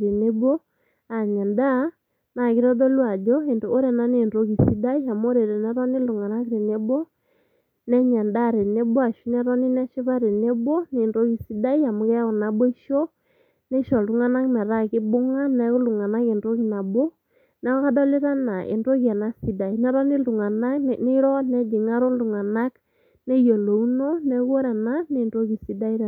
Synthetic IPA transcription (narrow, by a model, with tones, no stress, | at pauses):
ɾe˨ne˦bɔ˦ | a˨ɲa˨nda˦ | na˨ki˦ɾɔ˦ðɔ˦lwa˨d͡ʒɔ˦e˨ndo˨o˦ɾɛ˨na˦ne˨ndo˦ki˨si˦da˦i˦a˨mo˦ɾe˨ɾɛ˨nɛ˦ɾɔ˦ni˦lu˨ŋa˨na˦kɾe˨ne˦bɔ˦ | nɛ˦ɲa˨nda˦˨ɾe˨ne˦bɔ˦a˨ʃwi˦nɛ˦ɾɔ˦ni˦nɛ˦ʃe˦βa˦ɾe˨ne˦bɔ˦ne˨ndo˦ki˨si˦da˦i˦a˨mo˨˦kɛ˦ɔ˨na˨bɔ˦i˦ʃɔ˦ | nɛ˦ʃɔ˨ldu˨ŋa˦na˦knɛ˨ɾa˦˨kɪ˦bʊ˦ŋa˦nɛ˨˦kʊ˦lu˨ŋa˨na˦ke˨nɾo˦ki˨na˨bo˦ | nɛ˦kɔ˦ka˦dɔ˦li˦ɾa˦na˨ʔḛ˨ndo˦kɛ˨na˨si˨˦da˨i˨nɛ˦ɾɔ˦ni˦ldu˨ŋa˨na˦kne˦ɾɔ˦nɛ˦d͡ʒi˨ŋa˦ɾo˦ndu˨ŋa˨na˦k | nɛ˦jo˨lo˨u˦no˦nɛ˦ko˦ɾɛ˨na˦ne˨ndo˦ki˨si˨˦da˦i˦ɾ